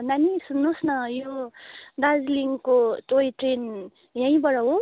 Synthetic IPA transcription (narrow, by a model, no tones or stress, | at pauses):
nanisunːusnʌjod̪ad͡zliŋkotojʈɾen | jãj̃bʌɽʌɦo